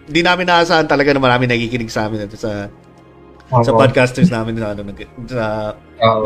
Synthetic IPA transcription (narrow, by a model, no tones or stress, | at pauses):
nd̪inaːmɪnːaːʔɐsaːʔɐnt̪ɐlɐɡɐnɐmɐɾaːmɪŋnɐkikɪnɪɡsɐʔaːmɪnɛt̪osɐ | sɐpad̪̚kast̪ɛɹsnaːmɪnɐʔɐnonɐsɐ